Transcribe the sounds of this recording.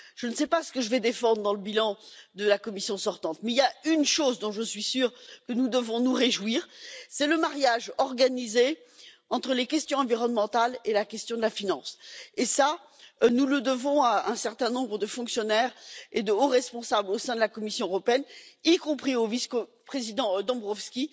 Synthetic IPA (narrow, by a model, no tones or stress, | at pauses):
ʒ̥ənəsɛpasə̥kəʒəvɛd̪efɑ̃d̪ʁəd̪ɑ̃ləbilɑ̃d̪əlakɔmisjɔ̃sɔʁt̪ɑ̃t̪mɛiljaynʃozd̪ɔ̃ʒəsɥisyːʁkənud̪əvɔ̃nuʁeʒwiːʁsɛləmaʁjaʒɔʁɡanize | ɑ̃t̪χəlekʲɛst̪jɔ̃ɑ̃viʁɔnmɑ̃t̪alelakʲɛst̪jɔ̃d̪əlafinɑ̃sesa | nuləd̪əvɔ̃aɛ̃sɛʁt̪ɛ̃nɔ̃bʁəd̪əfɔ̃ksjɔnɛʁed̪əoʁɛspɔ̃sablosɛ̃d̪əlakɔmisjɔ̃əʁɔpeɛnikɔ̃pχioviskopχezid̪ɑ̃d̪ɔ̃bʁɔfskʲi